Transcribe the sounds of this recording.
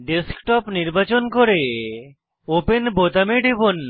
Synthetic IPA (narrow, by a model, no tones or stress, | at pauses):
ɖeskʈɔpniɾbat͡ɕonkoɾe | openbot̪ameɖibon